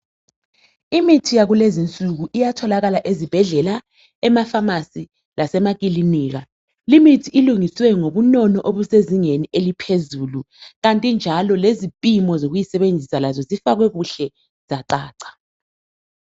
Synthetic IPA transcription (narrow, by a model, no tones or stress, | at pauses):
imitʰijaɣulezint͡sʼuɣ̬uʔijatʰɔlaɣalaʔezib̥ʱɛɮɛla | ɛmafamasi | lasɛmak̬ʼiliniːɣ̬a | limitʰiʔːluŋiswɛŋoβunɔnɔʔoβuseziŋeniʔelipʰezuːlu | ɣantʼind͡ʒʱalɔlezipʼimɔzoɣujisɛɓend͡zʱisalazɔzifaɣ̬wɛɣ̬uɬɛ | z̥aǀaːǀḁ